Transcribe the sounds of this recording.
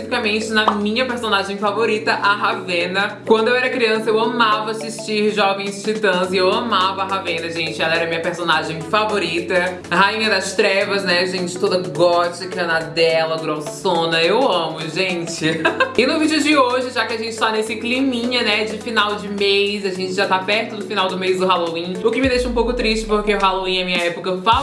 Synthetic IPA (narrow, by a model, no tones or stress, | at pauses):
sifikɐmẽnt͡ʃɪnɐmĩɲɐpeɾsõnaʒẽj̃favoɾit̪ɐʔaɦavẽnɐkwɐ̃nd̪ʊewɛɾɐkɾiɐ̃sɐewɐ̃mavɐasiʃt͡ʃiɾʒɔvẽj̃st͡ʃit̪ɐ̃zɪewɐmavɐɐɦavẽnɐʒẽnt͡ʃɪɛlɐɛɾɐmĩɲɐpeɾsõnaʒẽj̃favoɾit̪ɐ | ɦaĩɲɐd̪ɐst̪ɾɛvɐznɛʒẽnt͡ʃɪ̥t̪od̪ɐɡɔt͡ʃikɐnad̪ɛlɐɡɾosõnɐewɐ̃mʊʒẽt͡ʃɪɪnʊvid͡ʒɪʊd͡ʒɪoʒɪʒakɪaʒẽnt͡ʃɪ̥t̪anesɪklimĩɲɐnɛd͡ʒɪfinawd͡ʒɪmejsaʒẽnt͡ʃɪʒat̪apɛɾt̪ʊd̪ʊfinawd̪ʊmejzd̪ʊɦalowĩʊkɪmɪd̪ejʃɐũp̬owkʊt̪ɾiʃt͡ʃɪpoɾkeʊɦaloĩɐmĩɲɐɛpʊkɐfa